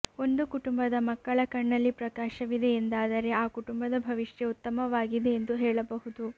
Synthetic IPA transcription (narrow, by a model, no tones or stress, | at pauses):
o̞nd̪ukuʈumbɐd̪ɐmɐkːɐɭɐkɐɳːɐlːipɾɐkaːʃɐʋid̪e̞ːnd̪aːd̪ɐɾe̞aːkuʈumbɐd̪ɐbʱɐʋiʂjeut̪ːɐmɐʋaːɡid̪e̞ːnd̪uɦɛːɭɐbɐɦud̪u